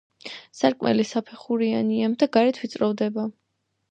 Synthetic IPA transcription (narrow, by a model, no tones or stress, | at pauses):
saɾkʼmɛ̰lisapʰɛχuɾianiamd̪aɡaɾɛt̪ʰvit̪sʼɾɔvd̪ɛba